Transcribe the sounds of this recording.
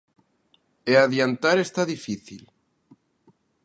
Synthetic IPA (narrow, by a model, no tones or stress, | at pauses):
eaðjant̪aɾest̪aðifiθil